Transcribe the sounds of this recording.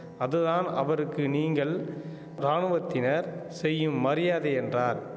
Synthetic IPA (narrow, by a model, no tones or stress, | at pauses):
ɐðɯðaːnɐʋɐɾɯkːɯniːŋɡɐɭ | ɾaːɳɯʋɐt̪ːɪnɐɾsɛjːɯmːɐɾɪjaːðɐɛndraːɾ